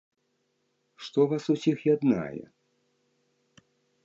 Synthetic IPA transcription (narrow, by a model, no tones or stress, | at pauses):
ʂt̪ɔvasusʲixjad̪na̰jɛ̰